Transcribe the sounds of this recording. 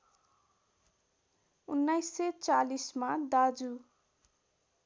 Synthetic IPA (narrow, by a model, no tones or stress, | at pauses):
unːajsːet͡salismad̪ad͡zu